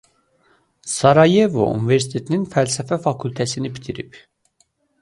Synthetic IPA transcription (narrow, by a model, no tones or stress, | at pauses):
sɑɾɑje̞vo̰ʔṵnive̞ɾsi̥t̪ʰe̞t̪ʰininfælsæfæfɑkʰult̪ʰæsinibit̪ʰiɾḭp